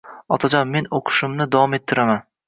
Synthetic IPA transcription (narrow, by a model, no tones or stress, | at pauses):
ɒt̪ʰad͡ʒɒnme̞noqʰɨ̥ʃɪmnɪd̪avɒme̞t̪ʰːɪɾaman